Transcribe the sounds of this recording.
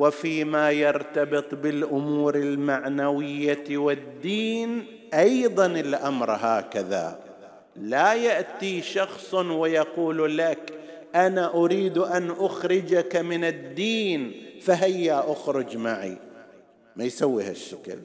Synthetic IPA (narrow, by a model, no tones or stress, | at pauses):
wɪfiːmajɑɾt̪ɑbɨt̪ˤbɪlʔʊmuːɾɪlmaʕnawɪjːawɪd̪ːiːn | ʔɑjðˤɑnɪlʔamɾˤɦaːkaða̰ | lajaʔt̪iʃɑxsˤwɪjɑquːllak | ʔanaʔʊɾiːd̪ʔanʔʊxɾɪd͡ʒakmɪnɪd̪ːiːnfaɦɪjːaʔʊxɾʊd͡ʒmaʕḭ | majsawːiha̰ʃːḁkɪ̰l